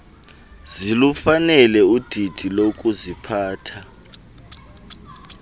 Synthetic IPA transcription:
zilufanɛlɛud̥ʱid̥ʱilok̬ʼuzipʰaːtʰa

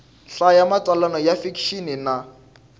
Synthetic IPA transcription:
ɬajamat͡sʼalanɔjafikʰʃinɪna

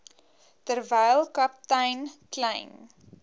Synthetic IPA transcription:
tərvɛjlˠkɐp̚tɛjnklɛjn

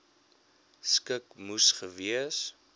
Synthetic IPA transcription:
skəkmusχəviəs

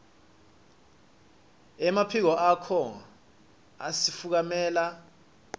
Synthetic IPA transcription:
ɛmapʰik̬ɔʔakʰɔ | a̰sifuk̬amɛːla

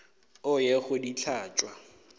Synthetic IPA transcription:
ʊjeɣʊdit͡ɬʰaːt͡ʃʼwa

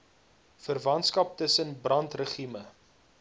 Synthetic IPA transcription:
fərvɐntskɐp̚təsənbrɐntrəχimə

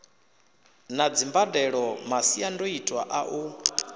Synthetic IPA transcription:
nad͡zimbadɛɺɔmasiandoitʼwaʔaʔu

